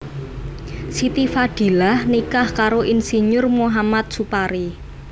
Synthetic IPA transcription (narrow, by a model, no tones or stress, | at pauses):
sit̪ifad̪̥i̤lahnikahkaɾoʔinsiɲʊrmuɦamat̪̚supaɾi